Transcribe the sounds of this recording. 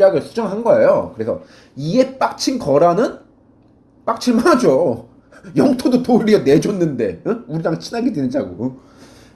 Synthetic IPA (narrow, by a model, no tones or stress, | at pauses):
jaɡɯɭsʰud͡ʑʌŋɯɭɦanɡʌe̞jo̰kɯɾe̞sʰʌ̰ | ie̞p͈ak̚t͡ɕʰinkʌɾanɯn | p͈ak̚t͡ɕʰiɭmanad͡ʑo | jʌŋtʰodotoɾiʌne̞d͡ʑonːɯnde̞uɾidaŋt͡ɕʰinaɡedwenɯnd͡ʑaɡu